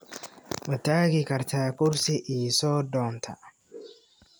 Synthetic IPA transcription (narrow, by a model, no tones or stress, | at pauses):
wɐt̪ːaːɡɪkɐɾt̪ʰaːkʊɾsɪʔiːsoːd̪ɔːnt̪ʰa